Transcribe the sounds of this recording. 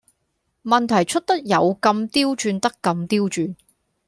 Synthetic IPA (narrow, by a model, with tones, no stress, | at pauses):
mɐ˨nt̪ʰɐ˨˩jt͡ʃʰɵ˥t̚t̪ɐ˥k̚jɐ˨˧wkɐ˧mt̪iː˥wt͡ʃyː˧nt̪ɐ˥kːɐ˧mt̪iː˥wt͡ʃyː˧n